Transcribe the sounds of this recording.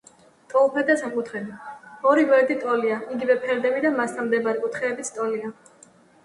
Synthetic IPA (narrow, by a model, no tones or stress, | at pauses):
t̪ʼɔlˠpʰɛd̪asamkʼut̪ʰχɾɛbiɔɾivɛɾd̪it̪ʼɔliaiɡivɛpʰɛɾd̪ɛbid̪amast̪ʰamd̪ɛbaɾɛkʼut̪ʰχɛːbit̪sʰt̪ʼɔlia